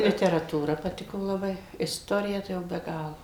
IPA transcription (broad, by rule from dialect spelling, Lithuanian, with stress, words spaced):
lʲɪtʲɛrɐˈtuːrɐ pɐˈtʲɪkoː lˠɐˈbɐɪ ɪsˈtoːrʲɪjɛ ˈtɐɪ jɛʊ bʲɛ ˈɡɑːlˠoː